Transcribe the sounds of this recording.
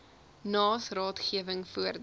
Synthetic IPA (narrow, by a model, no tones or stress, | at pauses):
nɑːsrɑːtχiəvəŋfuərd